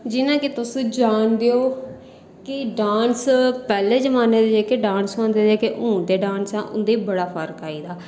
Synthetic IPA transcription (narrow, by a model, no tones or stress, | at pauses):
d͡ʒɪnãːkeːt̪ʊsũd͡ʒaːnd̪eːoː | kɪɖaːnspɛːleːd͡ʒəmaːneːd̪eːd͡ʒeːkeɖãːnsãːnd̪eːd̪d͡ʒeːkeʔũːd̪eːɖãːnsɛ̃ːʔʊ̰nd̪eːbəɽaːpʰəɾkaːiːd̪aː